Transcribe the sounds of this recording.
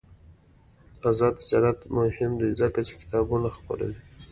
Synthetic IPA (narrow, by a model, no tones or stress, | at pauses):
azɑd̪ɪd͡ʒɑɾat̪mʊhɪmd̪izəkat͡ʃe̥kɪ̥t̪ɑbunaxpa̰ɾa̰wi